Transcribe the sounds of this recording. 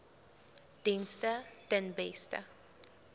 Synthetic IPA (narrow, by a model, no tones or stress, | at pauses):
d̥instətənbɛstə̰